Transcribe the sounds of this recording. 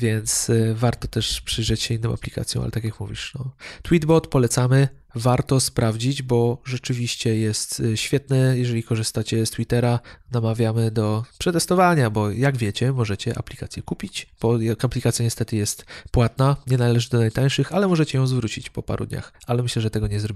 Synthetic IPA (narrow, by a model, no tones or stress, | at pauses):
vʲjɛnt̪svaɾt̪ɔt̪ɛʂpʂɘjʐɛt͡ɕɕɛinːɨ̃w̃a̰plʲika̰t̪sʲjɔ̰̃a̰lɛ̰t̪akʲjakmṵvʲḭʂnɔt̪wid̪bɔt̪pɔlɛt̪samɘ | vaɾt̪ɔspɾavd͡ʑid͡ʑbɔʐɛt͡ʂɘvʲiɕt͡ɕɛjɛst̪ɕfʲjɛt̪nɛjɛʐɛlʲikɔʐɨst̪at͡ɕɛst̪wit̪ɛɾanamavʲjamɘd̪ɔpʂɛt̪ɛst̪ɔvaɲabɔjaɡvʲjɛt͡ɕɛmɔʐɛt͡ɕɛʔa̰plʲikat̪sʲjɛkupʲit͡ɕb̥ɔjakaplʲikat̪sʲjaɲɛst̪ɛt̪ɘjɛst̪pwat̪̚naɲɛnalɛʐɘd̪ɔnajt̪aj̃ʂɘxalɛmɔʐɛt͡ɕɛjɔ̃w̃zvɾut͡ɕit͡ɕpɔpa̰ɾʔṵd̪ɲa̰xalɛmɘɕlɛʐɛt̪ɛɡɔɲɛzɾɔbʲi